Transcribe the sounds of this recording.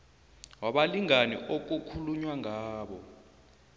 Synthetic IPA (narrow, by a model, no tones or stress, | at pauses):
waɓaliŋanḭʔok̬ukʰuluɲwaŋaːɓɔ̰